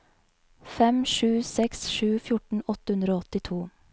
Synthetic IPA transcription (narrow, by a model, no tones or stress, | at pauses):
fɛmʃʉːsɛksʃʉːfjʊʈɳ̩ɔt̪əhʉnd̪ɾoːɔt̪ɪt̪ʰuː